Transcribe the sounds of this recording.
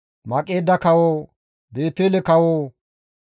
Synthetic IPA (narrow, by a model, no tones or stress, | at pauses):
mɐkʼːeːd̪ːɐkɐwoː | be̞ːt̪ːeːlɛkɐwoː